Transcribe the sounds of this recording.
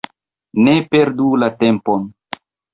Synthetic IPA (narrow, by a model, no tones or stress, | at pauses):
nepe̞ɾdulate̞mpon